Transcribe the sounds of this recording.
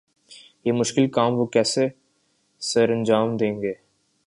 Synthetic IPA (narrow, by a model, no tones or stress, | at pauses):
jemʊʃkɪlkaːmʋokɛːse | səɾɐ̃nd͡ʒaːmd̪ẽːŋɡeː